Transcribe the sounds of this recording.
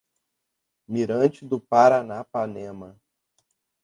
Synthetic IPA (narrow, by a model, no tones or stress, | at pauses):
miɾɐ̃t͡ʃɪd̪ʊpaɾanapanẽmɐ